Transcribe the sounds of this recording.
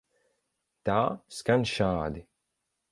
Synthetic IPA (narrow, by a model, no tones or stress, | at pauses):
t̪aːskanʃaːd̪i